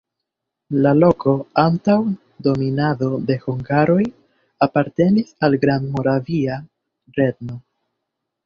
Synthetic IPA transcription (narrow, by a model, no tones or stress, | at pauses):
lalo̞kʰo̞antaw | do̞minado̞d̪e̞huŋɡaɾo̞j | apaɾte̞nisalɡɾandmo̞ɾavia | ɾe̞dno̞